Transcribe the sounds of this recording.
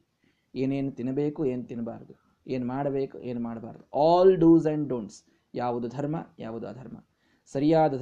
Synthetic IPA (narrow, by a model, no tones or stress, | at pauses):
eːneːnut̪inɐbeːkueːnut̪inɐba̰ːɾɐd̪u | eːnmaːɽɐbeːkṵʔeːnumaːɽɐbaːɾɐd̪uɔːlɖuːzɐɳɖɖoːɳs | jaːʋud̪ud̪ʱɐɾmɐ̰ja̰ːʋud̪uɐ̰d̪ʱɐɾmɐ̰ | sɐɾijaːd̪ɐ